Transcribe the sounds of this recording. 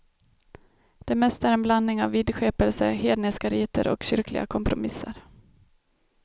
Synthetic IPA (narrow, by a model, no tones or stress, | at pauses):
d̪̥ɛmɛst̪æɾɛnblannɪŋavːɪd̪ɧeːpəlsəheːd̪nɛskaɾiːt̪ə̰ɾɔ̰kɕʏɾklɪ̰ɡa̰kʰɔmpɾʊmɪsːəɾ